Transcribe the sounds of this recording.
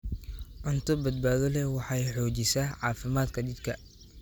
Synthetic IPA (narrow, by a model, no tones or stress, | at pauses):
ʕʊnt̪ʰɔbɐd̪̚baːðɔlɛwɑħɑːjħɔːt͡ʃɪsaːʕɑːfɪmaːd̪kʰɐd̪ɪd̪kʰɐ